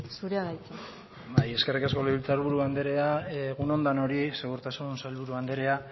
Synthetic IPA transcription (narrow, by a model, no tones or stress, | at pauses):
suɾeaɣajt͡se | baje̞ske̞rikasko̞leβilt͡saɾβuɾuand̪e̞ɾe̞aɣuno̞nd̪ano̞ɾise̞ɣuɾt̪asunsalβuɾuand̪e̞ɾe̞a